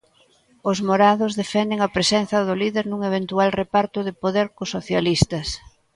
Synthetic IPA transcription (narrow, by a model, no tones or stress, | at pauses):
ʊzmoɾaðʊzðefɛnd̪eŋɐpɾesɛnθɐðʊliðeɾnuŋeβ̞ent̪ualrepaɾt̪ʊðɪpoðeɾkʊsoθjalist̪ɐs